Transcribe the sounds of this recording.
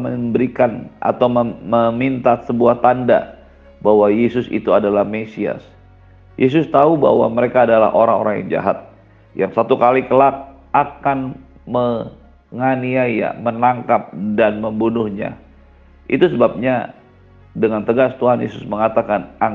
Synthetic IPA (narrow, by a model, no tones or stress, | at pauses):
əmbəɾikana̰t̪awməməmint̪asəbuaht̪anda̰ | bahwajesʊsḭt̪uadalahmesia̰s | jʔes̬ʊst̪auba̰hwa̰məɾekaːdala̰hʔoɾaŋo̰ɾaŋja̰ŋd͡ʒa̰ɦat̪̚ | jaŋsat̪ukalikəlak̚ | ʔakan | mə | ŋaniaja̰mənaŋkap̚danməmbunʊhɲa̰ | ʔḭt̪usəbap̚ɲa | dəŋant̪əɡast̪uɦanjḛsʊsməŋat̪akana